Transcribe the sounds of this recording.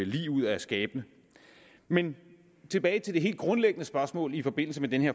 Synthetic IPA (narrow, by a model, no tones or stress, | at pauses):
lḭːuð̰ˠɒæɐsɡ̥ɛːb̥nə | men | t͡sʰe̝b̥ɛːɪt͡sʰe̝ld̥e̝e̝̰ːld̥ɡ̥ʁɔ̽nleɡ̥ənəsb̥ɶɐsmɔ̰̽ːlifɒ̽b̥e̝n̰l̩s̬əmed̥enəheɐ